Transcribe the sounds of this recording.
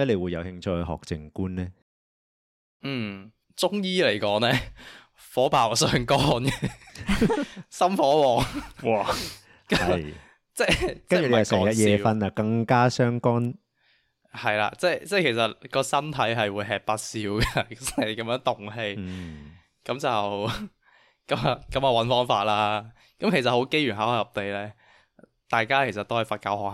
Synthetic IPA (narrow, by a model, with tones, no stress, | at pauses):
ɐ˥le˨˧jwuː˨˧jɐ˨˧whɪ˧ŋt͡ʃʰɵ˧hɦɔ̰ː˨k̚t͡sɪ˨ŋkuː˥nlɛː˥ | n̩ː˨˩ | t͡sʊ˥ŋjiː˥le˨˩jkɔː˨˥ŋlɛː˥ | fɔː˨˥paː˨˩wsœː˨˧ŋkɔː˥nkɛ˧ | sɐ˥mfɔː˨˥wɔː˨˩ŋw | kɐ˨˦ɐj | t͡sɛː˥t͡skɐ˥n˥t͡ʃyː˨le˨jjwsɛ˨˩jɐ˦˥jɛː˨˧fɐ˧nɐ˧kɐ˧ŋkaː˥sœː˥ŋkɔː˥n | hɐ˨jla̰ː˧t͡sɛː˥˩jt͡sɛː˥˩kʰe˨˩jsɐ˨t̚kɔː˧sɐ˥nt̪ʰɐ˨˥jɦɐ˨jwuː˨˧˥jɦɛː˨˩k̚paː˧t̚siː˨˧˥wkɐ˧t͡sɛ˥˨kɐ˨˦mjœː˨˧˥ŋt̪ʊ˨ŋɦe˧j | kɐ˨˥mt͡sɐ˨w | kɐ˨˥mɐ˨˧kɐ˨˥mɐː˨˧wɐ˨˥nfɔː˥ŋfaː˧t̚laː˧˥ | kɐ˨˥mkʰe˨˩jsɐ˨t̚ho˨˥wke˥jɥyː˨˩nɦaː˨whaː˧˩jɐ˨˩p̚t̪e˨jlɛː˥ | t̪aː˨˩jkaː˥kʰe˨˩jsɐ˨t̪o˥whɐ˨˩jfaː˧t̚kaː˧whɔː˨k̚